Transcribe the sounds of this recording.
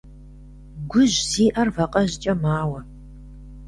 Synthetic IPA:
ɡʷʊʑziːʔɐrvɐqʼɐʑɪt͡ʃʼɐmaːwɐ

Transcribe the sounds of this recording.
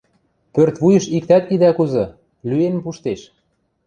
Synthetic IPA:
pørt̪βujɤ̆ʃik̚t̪æt̪id̪ækuzɤ̆ | lyenpuʃt̪eʃ

